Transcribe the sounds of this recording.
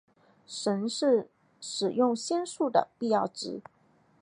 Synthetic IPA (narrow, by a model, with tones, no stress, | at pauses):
ʂə˧˥nʂɻ̩˥˩ | ʂɻ̩˨˩jʊ˥˩ŋɕjɛ˥nsu˥˩d̪ə̰˩pi˥˧jɑ˥˩ʊʈ͡ʂɻ̩˧˥